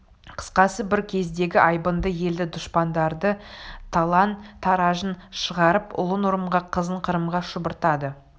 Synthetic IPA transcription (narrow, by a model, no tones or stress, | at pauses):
qʰə̥sqɑsəbɪɾkʲʰe̞zd̪e̞ɡʲɪʔɑjbənd̪əje̞ld̪ɪd̪ʊʃpɑnd̪ɑɾd̪ət̪ʰɑlˠɑnt̪ʰɑɾɑʒənʃəʁɑɾəpʊ̰lˠənwʊɾəmʁɑqʰəzəɴqʰəɾəmʁɑʃʊbəɾt̪ɑd̪ə